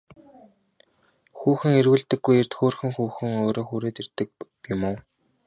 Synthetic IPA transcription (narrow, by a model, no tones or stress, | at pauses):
xuːxɘ̆ŋerɣɘ̆ɮt̪ɘ̆ɡːujer̥t̪xoːrxɘ̆ŋxuːxɘ̆ŋoːɾoːxuːɾeːt̪ert̪ɘ̆k̚ | jʊmoː